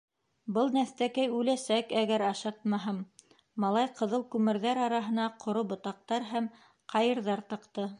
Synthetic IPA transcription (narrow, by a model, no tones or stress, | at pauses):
bɤlˠnæθt̪ækæjʉlæsækæɡæɾɑʃɑt̪̚mɑɦɤmː | ɑlˠɑjqɤ̆ðɤlˠkʉmɘ̆ɾðæɾɑɾɑɦɤ̆nɑqʰŏɾobŏt̪ɑq̚t̪ɑɾɦæm | qʰɑjɤ̆ɾðɑɾt̪ɤ̆qt̪ɤ